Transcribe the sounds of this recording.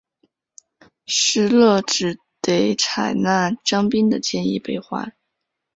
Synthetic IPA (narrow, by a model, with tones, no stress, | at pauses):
ʂɻ̩˥lɤ˥˩ʈ͡ʂɻ̩˨˩ | t̪e˧˥ɪt͡sʰa˨˩ɪna˥˩ʈ͡ʂɑ˥ŋpi˥nd̪ə˨t͡ɕjɛ˥˧ni˥˩pe˥˩ɪxwa̰˧˥